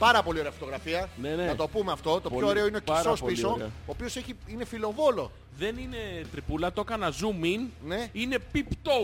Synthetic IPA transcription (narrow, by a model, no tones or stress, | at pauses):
pɐɾɐpo̞lioɾe̞ɐfot̪o̞ɣɾɐfiɐnenenɐt̪opumeɐft̪o̞t̪o̞ooɾeoineocɾospisoɾeoːpio̞se̞çiine̞filo̞vo̞lo̞ | ðe̞nine̞t̪ɾipulɐt̪o̞kɐnɐzuminneine̞pipt̪o